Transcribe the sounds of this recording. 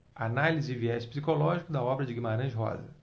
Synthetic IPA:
analizɪɪviɛʃpsikolɔʒikʊd̪ɐɔbɾɐd͡ʒɪɡimaɾɐ̃ʒɦɔ̰zɐ̰

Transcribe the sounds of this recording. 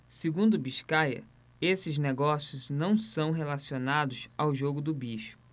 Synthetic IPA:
seɡũnd̪ʊbiʃkajɐ̰ | esɪzneɡɔsiʊznɐ̃w̃sɐ̃w̃ɦelasionad̪ʊsawʒoɡʊd̪ʊbiʃʊ̥

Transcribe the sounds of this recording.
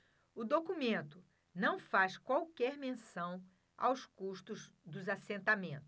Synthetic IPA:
ʊd̪okumẽnt̪ʊ | nɐ̃w̃faskwawkɛɾmẽsɐ̃w̃ | a̰wskuʃt̪ʊz | d̪ʊzasẽnt̪amẽnt̪ʊ

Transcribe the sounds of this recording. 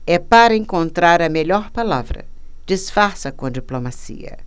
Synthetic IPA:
ɛpaɾɐẽŋkõnt̪ɾaɾɐmeʎɔɾpalavɾɐ̰ | d͡ʒisfaɾsɐkõd͡ʒiplomasḭɐ̰

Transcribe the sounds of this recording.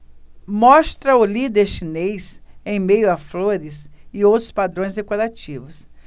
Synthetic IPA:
mɔst̪ɾɐʊlid̪eɾʃinejsẽj̃mejʊɐfloɾɪsɪowt̪ɾʊ̥spad̪ɾõj̃zd̪ekoɾat͡ʃivʊs

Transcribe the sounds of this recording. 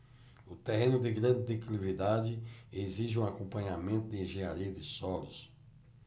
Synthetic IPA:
ʊt̪eɦẽnʊd̪ɪɡɾɐ̃d̪ɪd̪eklivid̪ad͡ʒɪeziʒɪũakõpɐ̃ɲamẽnt̪ʊd̪ɪẽʒẽɲaɾiɐd̪ɪsɔlʊ̰s

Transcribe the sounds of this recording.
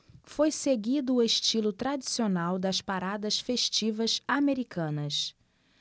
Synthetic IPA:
fojseɡid̪ʊːeʃt͡ʃilʊt̪ɾad͡ʒisionawd̪ɐspaɾad̪ɐʃfeʃt͡ʃivɐsameɾikʰɐ̃nɐs

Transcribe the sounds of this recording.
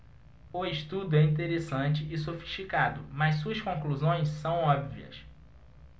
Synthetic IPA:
ʊɪʃt̪ud̪ʊɛĩnt̪̬eɾesɐ̃nt͡ʃɪɪsofi̥ʃt͡ʃikad̪ʊmɐssuɐskõkluzõj̃ssɐ̃w̃ɔbviɐ̰s

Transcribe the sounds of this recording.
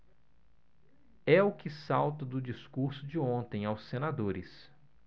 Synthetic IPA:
ɛʊkɪsawt̪ɐd̪ʊd͡ʒiskuɾsʊd͡ʒɪõnt̪ẽj̃awsẽnad̪oɾɪ̰s

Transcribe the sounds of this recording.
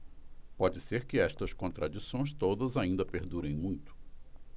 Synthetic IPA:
pɔd͡ʒɪseɾkɪɛst̪ɐskõnt̪ɾʔad͡ʒisõj̃s̬t̪od̪ɐzaĩnd̪ɐpeɾd̪uɾẽj̃mũj̃t̪ʊ̥

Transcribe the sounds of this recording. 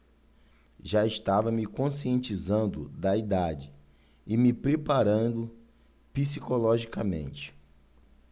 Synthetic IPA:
ʒaɪʃt̪avɐmɪkõsiẽnt͡ʃizɐ̃nd̪ʊd̪ɐid̪ad͡ʒɪ | ɪmɪpɾepaɾɐ̃d̪ʊ | pisikolɔʒikɐmḛ̃nt͡ʃɪ̥

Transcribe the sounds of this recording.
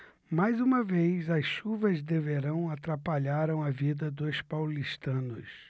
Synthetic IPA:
majzũmɐvejzɐsʃuvɐzd̪eveɾɐ̃w̃at̪ɾapaʎaɾɐ̃w̃ɐvid̪ɐd̪ʊspawliʃt̪ɐ̃nʊs

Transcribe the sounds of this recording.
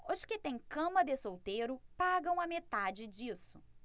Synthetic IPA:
ʊʃkɪt̪ẽj̃kɐ̃mɐd̪ɪsowt̪ejɾʊpaɡɐ̃w̃ɐmet̪ad͡ʒɪd͡ʒisʊ̥

